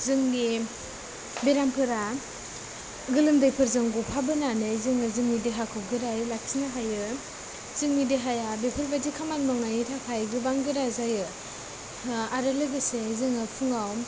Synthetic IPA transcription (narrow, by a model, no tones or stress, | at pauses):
zɯŋni | beɾamkʰɯɾa | ɡɯlɯmdɯjpʰɯɾzɯŋɡupʰabɯnanɯjzɯŋɯzɯŋnidiɦakʰɯp̚ɡɯɾajɯlak̚sinaɦajɯ | zɯŋnidiɦajabepʰɯɾbadikʰamanmaŋajɯtʰapʰajɡɯbaŋɡɯɾazajɯ | aɾɯlɯbɯsezɯŋɯpʰuŋaw